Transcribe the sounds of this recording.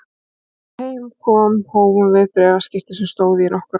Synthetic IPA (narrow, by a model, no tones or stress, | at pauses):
hejmkʰɔːmhoːwmʏmvɪðpɾɛːvascɪht̪ɪsɛmst̪oːwðɪɪnɔhkʏɾ